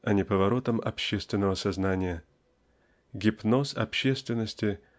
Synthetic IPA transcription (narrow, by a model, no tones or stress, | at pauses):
ɐnʲɪpəvɐɾo̞t̪əmɐ̰pɕːest̪vʲɪnːəvəsɐznanʲɪjə | ɡʲɪpno̞sɐ̰pɕːe̞st̪vʲɪnːəsʲtʲɪ